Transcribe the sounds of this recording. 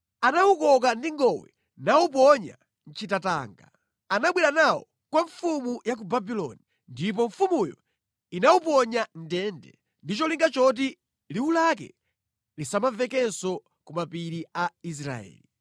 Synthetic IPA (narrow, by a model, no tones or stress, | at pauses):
anawukɔk̬andiŋɡɔwɛ̰ | naup̬ɔɲa̰ | n̩t͡ʃitataːŋɡa̰ | anaɓwiɾanawɔ | kwaɱfumujak̬ubabilɔ̰ni | ndip̬ɔɱfumujɔ̰ | inaup̬ɔɲan̩dɛndɛ | ndit͡ʃɔliŋɡat͡ʃɔt̬i | liwulak̬ɛ̰ | lisamavɛkɛsɔ | kumapiɾiais̬ɾa̰ɛ̰ːli